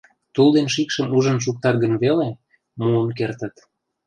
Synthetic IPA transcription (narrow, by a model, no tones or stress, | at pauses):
t̪uld̪enʃikʃəmuʒə̆nʃ̬uk̚t̪ɑt̪̚ɡə̆nβele | muənk̬ert̪ə̆t̪